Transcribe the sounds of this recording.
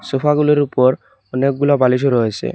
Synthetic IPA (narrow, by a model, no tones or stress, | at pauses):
sofʰaɡuloɾupɔɾ | ɔnek̚ɡulabaliʃ̬oɾɔɦesʰḛ